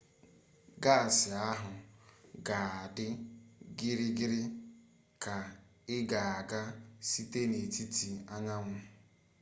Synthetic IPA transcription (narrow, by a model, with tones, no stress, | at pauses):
ɡa˦˨sɪ˨a˦ɦʊ˨ɡa˨a˨dɪ˦ɡɪ˦ɾɪ˦ɡɪ˦ɾɪ˦ | ka˨ɪ˦ɡa˨a˨ɡa˦si˦te˦ne˨ti˦ti˨a˦ɲa˦ŋʷʊ˦